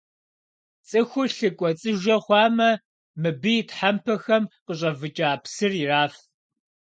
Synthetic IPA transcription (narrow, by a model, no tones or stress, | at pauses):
t͡sʼɨxʷʊɬɨkʷʼɔt͡sʼɨʒɐχʷɑːmɐ | mɨbɨjtʰħampʰɐxɐmqəɕʼɐvɨt͡ʃʼaːpsɨriraːf